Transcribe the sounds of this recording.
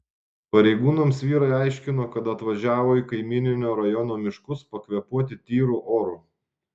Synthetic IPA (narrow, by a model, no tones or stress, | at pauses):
pɐɾʲɛɪɡuːnɐmsʋʲiːɾɐɪɑˑɪʃʲkʲɪnoːkɐt̪ɐt̪ʋɐʒʲæːʋoːiːkɐɪmʲiːnʲɪnʲoːɾɐjɔnoːmʲɪʃkʊspɐkʋʲɛpuɔt̪ʲɪt̪ʲiːɾuːʔoːɾuː